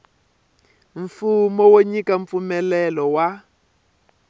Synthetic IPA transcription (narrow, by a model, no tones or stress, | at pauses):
ɱfumɔwoɲikaɱp̪fumɛlɛlɔwa